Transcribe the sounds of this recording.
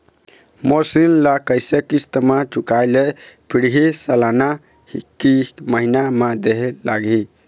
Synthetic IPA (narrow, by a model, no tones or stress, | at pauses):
moɾsillakəsəkist̪əmat͡ʃukajlepʰiɽɦisəlana | hikiməɦinamad̪eɦɛlaɡi